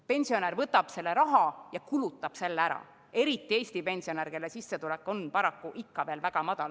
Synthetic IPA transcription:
pe̞nʲsio̞næɾvɤt̪ːˑɑb̥se̞lːeɾɑɦɑjɑkulut̪ːˑɑb̥se̞lːeæɾɑ̰ | e̞ɾit̪ˑːie̞ːst̪ipe̞nʲsio̞nærke̞lːesisːe̞t̪ulekːˑo̞npɑɾɑkːuʔikːɑveːlvæɡ̥ɑmɑd̪̥ɑl

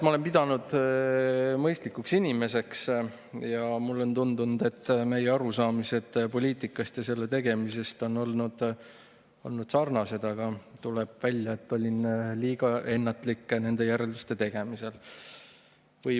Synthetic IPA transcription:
mɑolempid̪ɑnud̪̥ | mɤjst̪likːuksinʲime̞se̞ks | jɑmulːo̞nt̪und̪unud̪̥e̞t̪ːme̞jeɑɾusɑːmise̞d̪̥po̞lʲiːt̪ˑikːˑɑst̪jɑse̞lːe̞t̪e̞ɡ̥e̞mise̞st̪o̞nːo̞lnud̪̥ | o̞̰lnud̪̥sɑrnɑse̞d̪̥ɑɡ̥ɑt̪uleb̥vælʲjɑe̞t̪ːo̞lʲinliːɡ̥ɑʔe̞nːɑt̪ˑlikːˑne̞nd̪e̞jæɾe̞ld̪u̥st̪e̞t̪e̞ɡ̥e̞mise̞l | vɤ

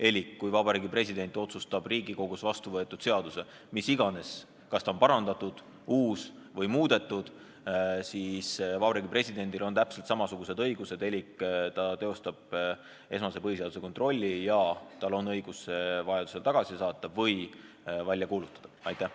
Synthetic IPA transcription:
e̞lʲikːujvɑbɑɾiːɡipre̞sʲid̪e̞nʲt̪ːˑo̞t̪sust̪ɑb̥riːɡiko̞ɡ̥usvɑst̪uvɤe̞t̪ːˑud̪̥se̞ɑd̪use̞ | misiɡ̥ɑne̞s | kɑst̪ɑonpɑɾɑnd̪ɑt̪ud̪̥ | uːsvɤjmuːd̪̥e̞t̪ˑːud̪̥ | siːsvɑbɑɾiːɡipre̞sʲid̪̥e̞nʲd̪̥ilo̞nt̪æpselt̪sɑmɑsuɡ̥use̞d̪ɤjɡ̥use̞d̪e̞likːt̪ɑt̪e̞o̞st̪ɑb̥ | e̞smɑse̞pɤhiseɑd̪useko̞nt̪ro̞lʲːijɑt̪ɑlo̞nːɤjɡ̥usːevɑjɑd̪̥u̥se̞lt̪ɑɡ̥ɑsisɑːt̪ːˑɑvɤj | vælʲjɑkuːlut̪ːˑɑ̥d̪̥ɑ̥ɑjt̪ːˑæh

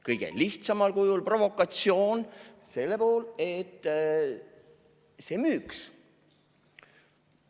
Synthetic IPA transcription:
kɤjɡ̥e̞̰liht̪sɑmɑlkujulpro̞vo̞kːˑɑt̪sio̞ːnse̞lːepoːlet̪ː | se̞myːks

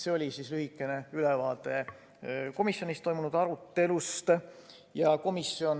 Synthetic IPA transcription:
seo̞lʲisislyɦikːˑe̞ne̞ylevɑːt̪ˑe̞ | ko̞misjo̞nist̪o̞jmunud̪̥ɑɾut̪ːe̞lust̪ | jɑko̞misːjo̞n

